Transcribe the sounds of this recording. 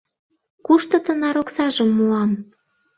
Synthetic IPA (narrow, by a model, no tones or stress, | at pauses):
kuʃt̪ɤ̆t̪ə̆nɑɾoksɑʒəmːulɑm